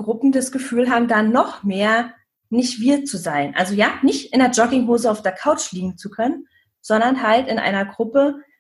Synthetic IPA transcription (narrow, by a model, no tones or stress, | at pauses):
ɡ̥ʁʊpm̩dasɡ̥əfyːlɦaːbm̩danːɔχmeːɐ | nɪçtv̥iːɐt͡suzaɪnʔa̰lzojaːnɪçtɪndeɐd͡ʒɔkɪŋɦoːzəaʊfd̥eːɐkʰaʊt͡ʃliːɡŋ̩t͡sukʰœnən | z̥ɔndɐnɦaltɪnʔa̰ɪnɐɡʁʊpə